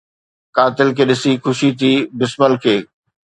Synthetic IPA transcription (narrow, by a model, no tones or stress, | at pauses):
kaːt̪ɪlkʰeːɗɪsikʊʃit̪ʰiːbɪsməlkʰeː